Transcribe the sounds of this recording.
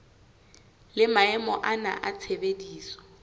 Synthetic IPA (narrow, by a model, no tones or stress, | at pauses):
lɪmaɛmɔʔana̰ʔat͡sʰebediːsɔ̥